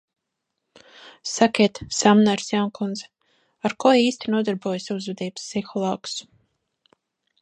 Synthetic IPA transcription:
sakʲiɛt̪samnaɾsjankunz | aɾkɔiːst̪ʲinuɔd̪aɾbuɔjsuzvɛd̪iːbssixɔlˠaːks

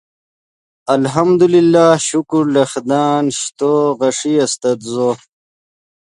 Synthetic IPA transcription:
ɐlɦɐmd̪ulilːaːɕukuɾlɐxd̪aːnɕt̪oːɣɐʂiɐst̪ɐt̪zo

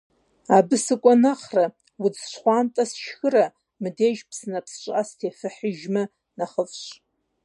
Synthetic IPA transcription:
abɨsɨkʷʼanaχra | wud͡zʃʷχʷantʼasʃxɨra | mɨdeʒpʰsnapʰsʃʷʼastʰefɨħɪʒmɨ | naχəfʃʷ

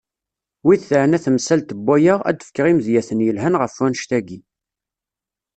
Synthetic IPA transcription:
wiθθəʕnæθmsælt̪əbːæjəʁæ̰d̪ə̥fkːəʁimðjæθənjəlɦænʁəfænʃt̪æɡi

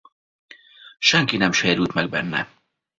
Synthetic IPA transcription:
ʃɛŋkinɛmʃeːɾylt̪mɛɡ̚bɛnːɛ̰

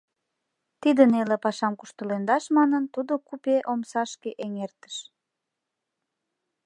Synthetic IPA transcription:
t̪id̪ənelepɑʃɑmku̥ʃt̪əlend̪ɑʃmɑnənt̪ud̪okupeʔomsɑʃkeʔeŋert̪ə̥ʃ

